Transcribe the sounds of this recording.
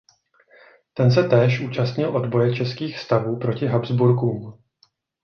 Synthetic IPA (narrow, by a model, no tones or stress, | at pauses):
t̪ɛns̬ɛt̪ɛːʃʔuːt͡ʃast̪ɲɪlʔo̞dbo̞jɛt͡ʃɛskiːxfst̪avuːpɾo̞cɪɦabzbuɾkuːm